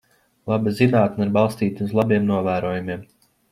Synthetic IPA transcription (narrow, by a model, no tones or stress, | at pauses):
lˠabizinaːt̪niɾbalˠst̪iːt̪uzlˠabiɛmnuɔvæːɾuɔjumiɛm